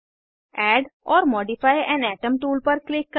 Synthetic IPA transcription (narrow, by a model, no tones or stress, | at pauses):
ɛːɖɔːɾmɔːɖifaːɪɛ̃ːnɛːʈə̃mʈuːlpɐɾklɪkːə